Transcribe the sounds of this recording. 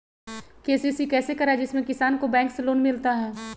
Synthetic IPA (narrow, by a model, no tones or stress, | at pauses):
keːsisikɛːsekɐɾaɛd͡ʒɪsmẽkɪsaːnkobɛ̃ːŋkseloːnmɪlt̪aɦɛː